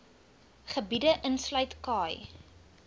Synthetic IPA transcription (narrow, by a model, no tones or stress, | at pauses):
χəbidəʔənslœɥtkɑːj